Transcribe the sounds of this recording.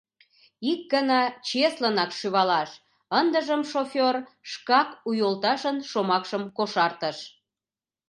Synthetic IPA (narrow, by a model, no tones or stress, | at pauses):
ik̚ɡənɑt͡ɕeslənɑkʃyβɑlɑʃ | ənd̪əʒəmʃofʲorʃkɑkujolt̪ɑʃənʃomɑkʃəmkoʃɑrt̪əʃ